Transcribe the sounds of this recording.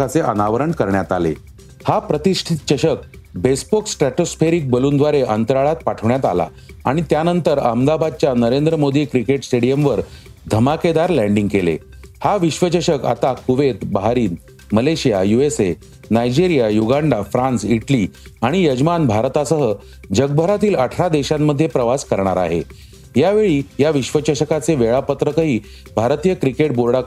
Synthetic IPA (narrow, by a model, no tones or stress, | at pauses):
at͡seʔənaʋəɾəɳkəɾɳjat̪alḛ | hapɾət̪iʂʈʰit̪t͡ɕəɕək̚bespoksʈɾæʈospʰeɾik̚bəluːnd̪ʋaɾeʔənt̪əɾaɭat̪̚paʈʰəʋɳjat̪a̰la̰ | a̰ɽ̃it̪janənt̪əɾəmd̪abad̪̚t͡ɕjanəɾend̪ɾəmod̪iːkɾikeʈsʈeɽijəmʋəɾ | d̪ʱəmaked̪aɾlæɳɖiŋɡkelḛ | haʋiɕʋət͡ɕəɕəka̰t̪akuʋet̪baɦaɾiːn | məleɕijajuese | najd͡ʑiɾijajuɡaɳɖafɾãnt͡siʈliaɽ̃ijəd͡ʑmanbʱaɾt̪asəɦə | d͡ʑəɡ̚bʱəɾat̪iːləʈʰɾad̪eɕamːəd̪ʱːjepɾəʋaskəɾɳaɾa̰ɦḛ | jaʋeɭiːjaʋiɕʋət͡ɕəɕəkat͡seʋeɭapət̪ɾəkəɦiː | bʱaɾt̪ijəkɾikeʈ̚boɾɽa